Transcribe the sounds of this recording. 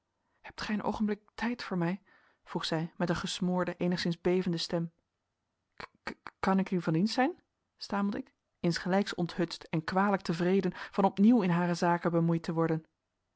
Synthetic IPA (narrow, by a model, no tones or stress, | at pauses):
hɛp̚tχɛjənʔo̰wχənblɪk̚tʰɛjtfʊːɹmɛj | v̥ruχsɛjmɛtənχəsmʊːɹdəʔejnəχsɪnzbejvəndəstɛm | kɑnɪknyvɑninsɛjn | staːmlˠdəɪk | ɪnsχəlɛjksɔ̰ntɦɵttɛnkʋaːdələk̚təvrejdənv̥ɑnɔpniwɪnɦaːrəzaːkəbəmujtəʋɔɹdən